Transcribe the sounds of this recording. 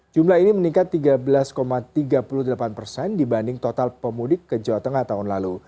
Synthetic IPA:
d͡ʒumlahinimənikat̪ːiɡabəlaskomat̪iɡapuluhdəlapanpərsɛndibandɪŋt̪ot̪alpəmudɪkːəd͡ʒawat̪əŋaht̪aɦʊnlalu

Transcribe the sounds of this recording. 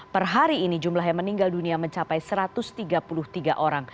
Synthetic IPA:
pərɦaɾiːnid͡ʒumlaɦjaŋməniŋɡalduniaməɲt͡ʃapajsəɾat̪ʊst̪iɡapulʊht̪iɡaʔoɾaŋ

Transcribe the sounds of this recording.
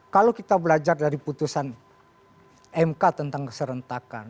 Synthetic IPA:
kalokit̪abəlad͡ʒardaɾiput̪usan | ɛmkat̪ənt̪aŋkə̥səɾənt̪akan

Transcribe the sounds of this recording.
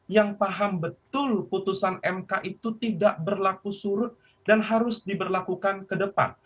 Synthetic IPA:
jaŋpaɦambət̪ʊlput̪usanɛmkaʔit̪ut̪idaʔbərlakusuɾʊt̪̚ | danɦaɾʊsdibərlakukankədəpa̰n

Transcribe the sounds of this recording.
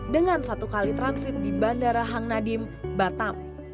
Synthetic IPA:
dəŋansat̪ukalit̪ɾansɪt̪̚dibandaɾaɦaŋnadɪmbat̪am

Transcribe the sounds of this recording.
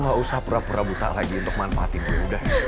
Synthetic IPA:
ŋɡausapuɾapuɾabut̪a̰ʔlaɡiunt̪ʊk̚manfaat̪imbuudah

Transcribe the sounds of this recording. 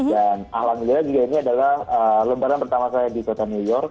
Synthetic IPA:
dana̰hlaməliad͡ʒuɡainiadalahələmbaɾanpərt̪amasajadikot̪aniujɔrk̚

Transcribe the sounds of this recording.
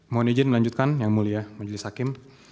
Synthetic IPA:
moned͡ʒɛnməlaɲd͡ʒut̪̚kanjaŋmuliamad͡ʒəlɪshakɪm

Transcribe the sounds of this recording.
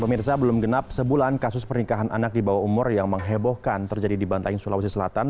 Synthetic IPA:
pəmirsabəlʊmɡənap̚səbulankasʊspərnikaɦanʔa̰nak̚dibawaumʊrjaŋməŋɦɛbɔhkant̪ərd͡ʒadidibant̪aɪŋsulawus̬isəlat̪an

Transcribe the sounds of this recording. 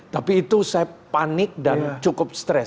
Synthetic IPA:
t̪apiːt̪usajapanɪk̚dant͡ʃukʊp̚st̪ɾɛs

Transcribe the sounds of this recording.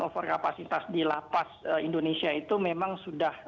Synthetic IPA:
ofərkapasit̪asdila̰pasəindonesiait̪umemaŋsudah

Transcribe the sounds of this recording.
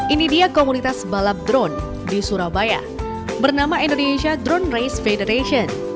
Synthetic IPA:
ʔinidiakomunit̪asbalap̚d̪ɾɔn | disuɾabaja̰ | bərnamaindoneʃiadɾɔnrajsfedəɾeʃiɔn

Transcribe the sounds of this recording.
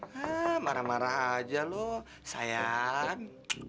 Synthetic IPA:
amaɾamaɾaɦad͡ʒalɔ | sajan

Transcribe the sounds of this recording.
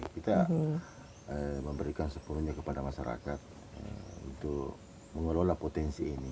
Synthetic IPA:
kit̪a | əməmbəɾikansəpunuɲakəpadamaʃaɾa̰kat̪̚ | ə̰ṵnt̪ʊk | məŋəlolapot̪ɛnsiːni

